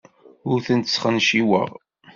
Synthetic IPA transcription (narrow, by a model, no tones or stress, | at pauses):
ʊɾθənt̪ə̥sχənʃiwə̰ʁ